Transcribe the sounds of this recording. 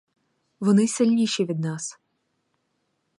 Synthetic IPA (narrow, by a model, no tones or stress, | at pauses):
ʋɔnɪsɪlʲnʲiʃʲiʋʲid̪̚nɑs